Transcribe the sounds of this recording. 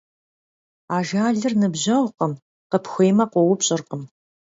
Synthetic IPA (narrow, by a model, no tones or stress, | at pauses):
aːʒaːɮɨrnɨbʑɐʁʷqəm | qəpxʷejmɐqʷɔwʊpɕʼɪrqəm